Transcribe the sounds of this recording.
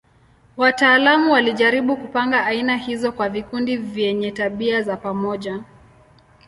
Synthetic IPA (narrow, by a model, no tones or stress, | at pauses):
wataːlamuwaliʄaɾiɓukupaŋɡaːinahizɔkwavikundivjɛɲɛtaɓiazapamɔʄa